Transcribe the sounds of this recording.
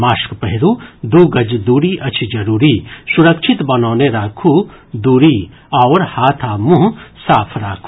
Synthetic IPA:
maːʃkpɛɦɪɾud̪uːɡɐd͡ʒd̪uːɾiʔɐt͡ʃʰid͡ʒɐɾuːɾiːsʊɾəkʃʰɪt̪bɐnoːneɾaːkʰud̪uːɾi | ɐːɾhaːt̪ʰaːmũɦsaːpʰɾaːkʰu

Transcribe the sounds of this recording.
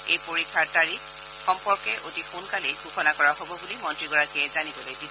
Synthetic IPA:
ejpoɹikʰːaɹtaɹi | xɔmpɔɹkɛʔotixunkalejɡuxɔnakɔɹaɦobɔbulimɔntɹiɡɔɹakiɛzanibɔlojdi

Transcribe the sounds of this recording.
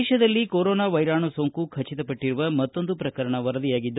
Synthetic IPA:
ʃɐd̪ɐlːikoːɾoːnaːʋɐjɾaːɳusoːŋkukʰɐt͡ʃːit̪ɐpɐʈːiɾuʋɐmɐt̪ːo̞nd̪upɾɐkɐɾɐɳɐʋɐɾɐd̪ijaːɡid̪ː

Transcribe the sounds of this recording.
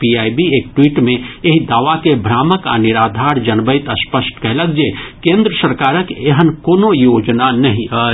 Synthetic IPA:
piaːibieːk̚ʈwiːʈmẽeɦid̪aːʋakebʱɾaːməka̰nɪɾaːd̪ʱaːɾd͡ʒənbəjt̪əspəsʈkɛɦləkd͡ʒekẽːnd̪ɾəsəɾkaːɾəkeɦənkoːnojoːd͡ʒnanəɦĩa

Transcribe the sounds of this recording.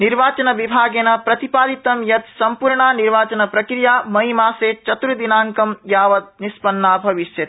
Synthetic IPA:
niɾʋaːt͡ʃɐnɐʋibʱaːɡeːnɐpɾɐt̪ipaːd̪it̪ɐmjɐt̪sɐmpuːɾɳaːniɾʋaːt͡ʃɐnɐpɾɐkɾijaːmɐɦimaːseːt͡ʃɐt̪uɾd̪inaːŋkɐmjaːʋɐt̪̚nispɐnːaːbʱɐʋiʃjɐt̪

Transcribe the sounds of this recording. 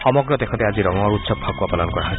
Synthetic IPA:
xɔmɔɡɹɔt̪ekʰɔt̪eaziɾɔŋɔɹut̪sɔb̚pʰakuwapɔlɔnkɔɹaɦɔj

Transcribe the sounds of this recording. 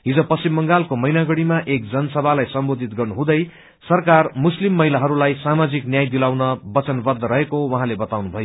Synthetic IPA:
ɦid͡zʌpʌsimːʌŋɡalkomʌjnaɡʌɽimaʔekd͡zʌnʌsʌbʱalajsʌmbod̪ʱit̪̚ɡʌrnuɦũd̪ʌj | sʌrkarmuslimːʌɦilaɦʌɾulajsamad͡ziknjajd̪ilawnʌbʌt͡sʌnbʌd̪ːʌɾʌɦekowʌɦãlebʌt̪awnubʱʌjo

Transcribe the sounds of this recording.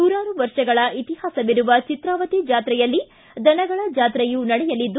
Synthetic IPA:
uːɾaːɾuʋɐɾʂɐɡɐɭɐʔit̪ihaːsɐʋiɾuʋɐt͡ʃit̪ɾaːʋɐt̪id͡ʒaːt̪ɾɛjɐlːi | d̪ʱɐnɐɡɐɭɐd͡ʒaːt̪ɾɛjunɐɽɛjɐlid̪ːu

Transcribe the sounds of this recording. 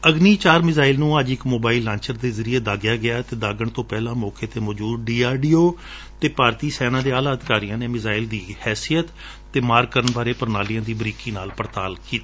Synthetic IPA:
əɡniːt͡ʃaːɾmɪzaːɪlnũːəd͡ʒɪkmoːbaːɪlːãːɲt͡ʃəɾd̪eːzəɾiːeːd̪aːɡɪjaːɡɪaːt̪eːd̪aːɡəɳt̪õːpɛːlãːmɔːkeːt̪eːmɔːd͡ʒuːdɖiːaːɖiːoː | t̪eːpaːɾt̪iːsɛːnãːd̪eːaːlaːəd̪ɪkaːɾijãːneːmɪzaːɪld̪iːhɛːsijət̪ː | eːmaːɾɡkːəɾənbaːɾeːpəɾnaːlijãːd̪iːbɾiːkiːnaːlpəɾt̪aːlkiːt̪iː

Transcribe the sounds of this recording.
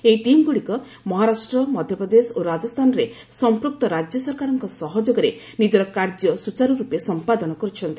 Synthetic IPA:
eiʈimɡuɽikɔ | mɔɦaɾasʈɾɔmɔd̪ʱjɔpɾɔd̪esoɾad͡ʒɔst̪ʰanɔɾe | sɔmpɾuk̚t̪ɔɾad͡ʒjɔsɔɾkaɾɔŋkɔsɔɦɔd͡ʒɔɡɔɾe | nid͡ʒɔɾɔkaɾd͡ʒjɔsut͡ʃaɾɔɾupesɔmpad̪ɔnɔkɔɾut͡ʃʰɔnt̪i

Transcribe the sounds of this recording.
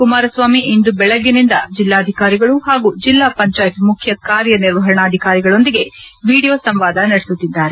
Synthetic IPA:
kumaːɾɐsʋaːmiind̪ubɛɭɐɡːinind̪ɐd͡ʒilːaːɐd̪ʱikaːɾiɡɐɭuhaːɡuːd͡ʒilːaːpɐɲt͡ʃaːjɐt̪mukʰjɐkaːɾjɐniɾʋɐɦɐɾɐɳaːd̪ʱikaːɾiɡɐɭo̞nd̪iɡe̞ʋiːɽijoːsɐmʋaːd̪ɐnɐɽesut̪ːid̪ːaːɾe̞

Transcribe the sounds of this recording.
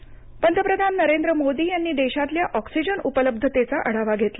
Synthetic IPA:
pənt̪əpɾəd̪ʱanːəɾend̪ɾəmod̪iːjanːiːd̪eɕat̪ljaʔɔksid͡ʑənupələb̚d̪ʱət̪et͡saʔəɽ̤aʋaɡʱet̪la

